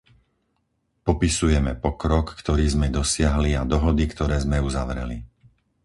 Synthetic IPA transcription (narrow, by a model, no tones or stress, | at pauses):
pɔpisujɛmɛpɔkɾɔkːt̪ɔɾiːzmɛd̪ɔsɪaɦliad̪ɔɦɔd̪ikt̪ɔɾɛːzmɛuzaʋɾɛ̰li